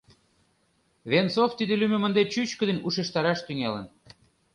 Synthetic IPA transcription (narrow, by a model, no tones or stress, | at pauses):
βent͡soft̪id̪elymĕmə̆nd̪et͡ɕyt͡ɕkə̆d̪ĕnʲuʃeʃt̪ɑɾɑʃt̪yŋelən